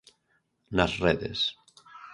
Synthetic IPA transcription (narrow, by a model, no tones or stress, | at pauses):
nasreðḛs